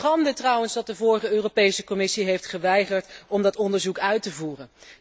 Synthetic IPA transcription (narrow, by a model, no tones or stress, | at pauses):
ɑndətrɑwənzdɑt̚dəvʊːɹχəøːropejsəkɔmɪsiɦejftχəʋɛjχəɹtɔmdɑtɔndəɹzukœɥtəvuːrən